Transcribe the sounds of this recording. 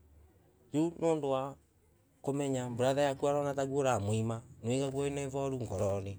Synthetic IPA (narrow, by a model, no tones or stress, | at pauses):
junoːndowa | komɛɲamboɾaðajakuaɾɔnataɣwoɾamwimanoeɣaɣwɔinɛvɔɾuŋɡɔɾɔne